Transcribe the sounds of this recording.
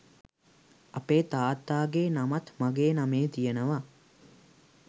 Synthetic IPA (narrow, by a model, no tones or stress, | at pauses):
ɐpeːt̪aːt̪ːaːɡeːnɐmɐt̪mɐɡeːnɐmeːt̪ijenəʋa